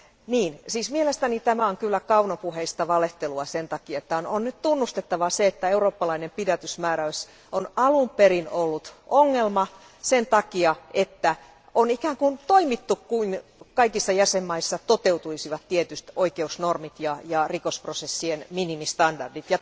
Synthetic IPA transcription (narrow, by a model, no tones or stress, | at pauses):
niːnsiːsmielest̪ænit̪æmæoŋkylːækɑunopuheist̪ɑʋɑleht̪eluɑsent̪ɑkiɑet̪ːæononnyt̪t̪unːust̪et̪ːɑʋɑseet̪ːæeuroːpːɑlɑinempidæt̪ysmæːɾæys | onɑlumperinolːut̪ʔoŋːelmɑ | sent̪ɑkiɑʔet̪ːæ | ʔonikæːŋkunt̪oimit̪ːukkuinkɑikisːɑjæsemːɑisːɑt̪ot̪eut̪uisiʋɑt̪tiet̪yst̪oikeusnormit̪jɑjɑrikosprosesːienminimist̪ɑndɑrdit̪jɑ